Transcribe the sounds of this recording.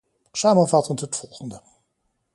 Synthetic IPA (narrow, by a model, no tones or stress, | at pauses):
saːmənvɑtəntɦətfɔlˠχəndə